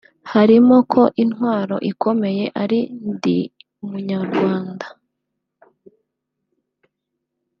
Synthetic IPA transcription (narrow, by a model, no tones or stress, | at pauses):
haɾimo̞kʰo̞ʔinwaːɾo̞̰ʔikʰo̞me̞je̞ʔaɾindḭ | umuɲaɾɡwaːnda